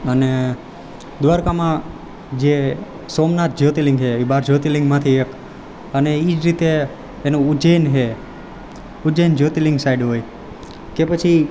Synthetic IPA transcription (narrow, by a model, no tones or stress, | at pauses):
əne | d̪ʋaɾkamã | d͡ʒe | somnat̪̚d͡ʒot̪iliŋɡɦeibaɾd͡ʒot̪iliŋɡmãt̪ʰiek | əneid͡ʒɾit̪eː | nũud͡ʒejnɦe | ud͡ʒejnd͡ʒot̪iliŋɡsajɖɦoj | kepət͡ʃʰi